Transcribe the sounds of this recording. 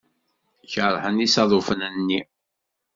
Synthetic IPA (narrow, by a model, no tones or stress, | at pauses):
çəɾˤħənisɑðˤofənænnːi